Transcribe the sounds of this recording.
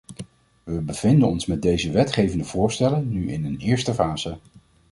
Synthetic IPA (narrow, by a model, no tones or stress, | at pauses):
ʋəbəv̥ɪndənɔnsmɛd̚dejzəʋɛtχejvəndəv̥ʊːɹstɛləːyʔɪ̰nənɪːɹstəfaːz̥ə